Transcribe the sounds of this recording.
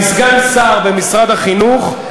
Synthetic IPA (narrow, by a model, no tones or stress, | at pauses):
sɡansaʁbemisʁad̪haχinuχ